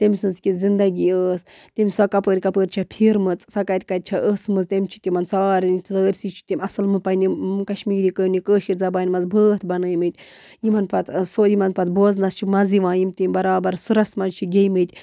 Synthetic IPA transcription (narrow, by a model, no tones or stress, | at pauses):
t̪emʲsɨnzkʲizind̪ɐɡʲiəːs | t̪ʲemʲsɐkɐpəːɾʲkɐpəːɾʲt͡ʃʰɐpʰiɾmɨt͡sʼsɐkat̪ʲkɐt̪̚t͡ʃʰaʔəsmɨzt̪ʲemʲt͡ʃʰi̥t̪ʲimɐnsaːɾʲnit̪ʰzəːɾʲsit͡ʃʰi̥t̪ʲemʲɐsɨlmɨpɐjnikɐʃmiːɾikənikəːʃiɾʲzɐbaːnmɐzbʱəːt̪bɐnɐːjmɨt̪ʲ | jimɐnpɐt̪soːjimɐnpɐt̪boːznɐst͡ʃʰimɐziʋãːjimʲt̪imʲbɐɾaːbɐɾsuɾɐsmɐzt͡ʃʰiɡʲejmɨt̪ʲ